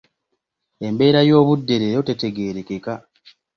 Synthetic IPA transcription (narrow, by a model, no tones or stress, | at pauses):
e̞mbe̞ːɾajo̞ːβudːe̞ɾejote̞te̞ɡe̞ɾeke̞ka